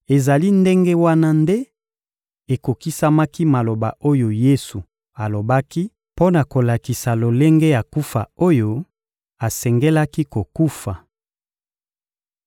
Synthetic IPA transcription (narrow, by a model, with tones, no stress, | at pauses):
e˨za˨li˦nde˦ŋɡe˦wa˦na˦nde˦ | e˨ko˨ki˦sa˦ma˦ki˦ma˨lo˨ba̰˨ʔo˦jo˨je˦su˨ | a˨lo˨ba˦ki˦ | po˦na˨ko˨la˨ki˨sa˨lo˨le˦ŋɡe˦ja˨ku˦fa̰˨o˦jo˦ | a˨sɛ˨ŋɡe˦la˦ki˦ko˨ku˦fa˨